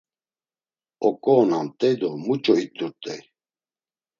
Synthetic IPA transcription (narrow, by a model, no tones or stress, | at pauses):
ɔkʼɔːnamt̪ʼɛjd̪ɔmut͡ʃʼɔit̪ʼːuɾt̪ʼɛj